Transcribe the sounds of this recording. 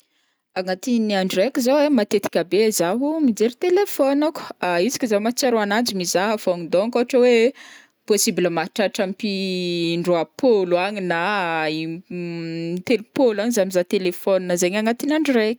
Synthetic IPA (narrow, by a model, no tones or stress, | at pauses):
aŋat̪iniaɳɖ͡ʐrekʲizowemat̪et̪i̥kʲabezaɦumid͡zeɾit̪elefɔnakaizi̥kʲizamat͡saɾoanand͡ʒimizaɦafoŋid̪oŋkoaʈ͡ʂəwe | posibiləmaɦʈ͡ʂaʈ͡ʂampiɳɖ͡ʐoapʰoluaɲinai | t̪elupolaɲizamizat̪elefɔninəzeɲaŋat̪inaɳɖ͡ʐrekʲi̥